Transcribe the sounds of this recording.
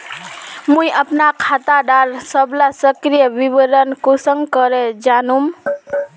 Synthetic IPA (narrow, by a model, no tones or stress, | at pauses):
mũjʔəpnakʰat̪aɖaɾsəblasəkɾijəbibəɾənkosəŋɡkəɾed͡ʒanum